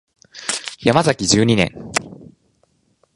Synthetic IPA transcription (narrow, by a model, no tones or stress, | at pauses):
jamazakʲid͡ʑɨːɲ̟inẽ̞̰ŋ